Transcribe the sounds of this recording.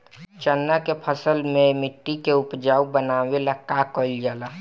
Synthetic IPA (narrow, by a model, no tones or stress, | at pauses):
t͡ʃənːakepʰəsəlmẽmɪʈːikeʊpd͡ʒaːubənaːwelakakold͡ʒaːlaː